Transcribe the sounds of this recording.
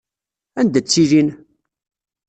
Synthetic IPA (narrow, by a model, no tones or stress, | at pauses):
ænd̪æt͡sːilin